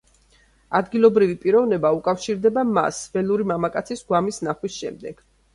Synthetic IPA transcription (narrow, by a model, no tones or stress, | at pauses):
ad̪ɡilˠɔbɾivipʼiɾɔvnɛbaukʼafʃiɾd̪ɛbama̰svɛluɾimamakʼat̪sʰisɡwamisnaχwisʃɛmd̪ɛɡ̥